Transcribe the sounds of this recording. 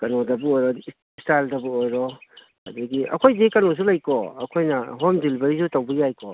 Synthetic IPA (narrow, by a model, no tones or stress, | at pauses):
kɐnodɐbuojɾɔd | staldɐbuojɾɔ | ha̰dɐɡiʔɐ̰kʰojzekɐnɔs̬ulajkɔɐkʰojnɐɦɔmdilbɐɾisutawbijajkʰɔ